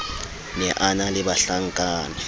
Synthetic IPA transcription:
nɛʔanalɪɓaɬaŋkʼaːna

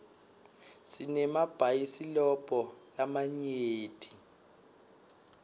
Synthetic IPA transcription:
sinɛmab̥ʱajisilɔb̥ʱʼɔlamaɲeeːtʼi

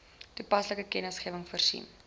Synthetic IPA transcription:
tupɐsləkəkɛnəsχiəvəŋfərsḭn

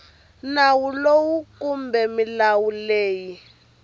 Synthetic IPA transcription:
nawulowukumbʱɛmilawuleːji

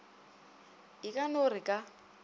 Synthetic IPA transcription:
ikʼanorɪkʼa

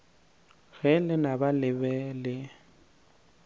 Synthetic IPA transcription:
ɣɛlɪnabalɪbɛlɪ

